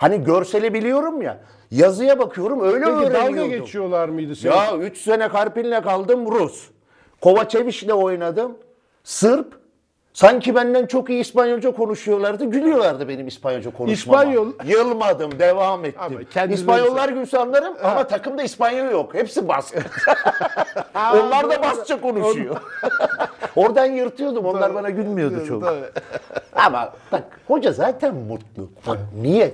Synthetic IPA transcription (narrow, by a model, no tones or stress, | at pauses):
haniɟøɾse̞lʲebilʲijo̞ɾumja̰ | jazɯjabakʰɯjo̞ɾumø̞jlʲɛøːɾeɛɡeut͡ʃʰijolˠaɾmɯjd̪ɯjayt͡ʃsenɛkʰaɾpinʲːɛkalˠd̪ɯmɾus | kʰo̞vat͡ʃʰe̞viʃlʲɛo̞jnad̪ɯm | sɯɾp | saɲcʰibænd̪ænt͡ʃʰo̞kijiːspanjo̞lˠd͡ʒakʰo̞nuʃujo̞lˠaɾd̪ɯɟylʲyjo̞lˠaɾd̪ɯbe̞nimispʰanjolˠd͡ʒakʰo̞nuʃmaajojɯlˠmad̪ɯmd̪evaːmɛt̪ːiispanjo̞lˠːaɾɟynʲsalˠːaɾɯmamat̪ʰakɯmd̪aispanjolˠjo̞khepsibasa | o̞nlˠaɾd̪abast̪t͡ʃʰako̞nuujo | o̞ɾd̪aanjɯɾt̪ʰɯjo̞d̪umo̞nˠaɾbanaɟylʲmijo̞umdt͡ʃʰo̰k̪ | ama̰b̪ak | ho̞d͡ʒazaːt̪ʰænmut̪lˠṵanijɛ